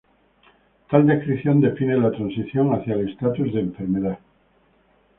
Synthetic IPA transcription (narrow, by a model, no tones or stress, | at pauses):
t̪ald̪e̞hkɾiθjo̞nd̪e̞finelat̪ɾansiθjo̞ŋaθjalest̪at̪uzðẽːɱfe̞ɾmeða